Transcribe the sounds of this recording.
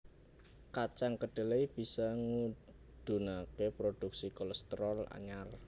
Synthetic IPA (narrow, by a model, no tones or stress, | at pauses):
kat͡ʃaŋkəɖ̥ə̤lejb̥i̤saŋu | ɖ̪̥ṳnakepɾod̪̥ṳk̚sikɔləst̪ɾɔla̰ɲal